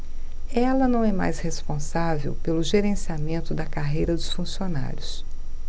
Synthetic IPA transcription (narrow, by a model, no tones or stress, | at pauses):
ɛlɐnɐ̃w̃ɛma̰jshespõsavḛwpelʊʒeɾẽsiamẽnt̪ʊd̪ɐkaɦejɾɐd̪ʊsfũsiona̰ɾjʊs